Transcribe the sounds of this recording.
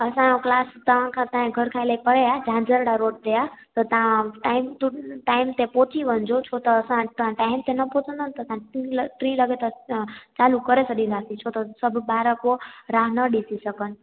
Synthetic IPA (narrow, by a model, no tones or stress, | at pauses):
əsãoklaːst̪əʋ̤ãkʰãt̪ãẽɡʱəɾkʰailaipəɽead͡ʒʱãd͡ʒəɾɽaɾoʈ̚d̪ejat̪ɔt̪ãʈaːimt̪uʈaɪmt̪ẽpot͡ʃʰiʋə̃nd͡ʒot͡ʃʰot̪ɔːsããʈaɪmt̪enəpot͡ʃõnd̪ənt̪ɔsãʈilʈɾĩləɡet̪ət͡ʃalukəɾesəɗĩɾasit͡ʃʰot̪ɔsəbʱbaɾəkoɾaɦnəɗisisəkən